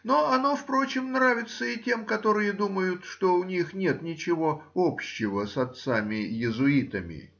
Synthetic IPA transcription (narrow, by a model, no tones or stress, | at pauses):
no̞ɐno̞fpɾo̞t͡ɕɪmnɾavʲɪt̪səɪtʲe̞mkɐt̪o̞ɾɨjəd̪uməjʊt̪ʂt̪o̞ʊnʲixnʲe̞t̪nʲɪt͡ɕɪvo̞o̞pɕːɪvəsɐt̪samʲɪjɪzʊit̪əmʲɪ̰